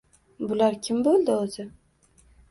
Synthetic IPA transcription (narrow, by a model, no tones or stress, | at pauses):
bʊlaɾkʲʰɪmbolˠd̪ɪozɪ